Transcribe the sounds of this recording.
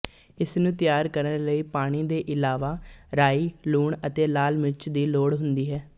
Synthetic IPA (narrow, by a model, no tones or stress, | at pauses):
ɪsnũːt̪ɪjaːɾkəɾnɾləiːpaːɽ̃iːd̪eːʔɪlaːʋaːɾaːiːluːɳət̪eːlaːlmɪt͡ʃd̪iːloːɽɦʊnd̪iːɦɛː